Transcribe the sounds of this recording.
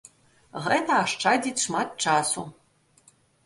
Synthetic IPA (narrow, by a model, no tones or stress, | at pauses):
ʁɐjtʰaːʂʈ͡ʂʰaːditʂmatt͡ʃʰaːsṵ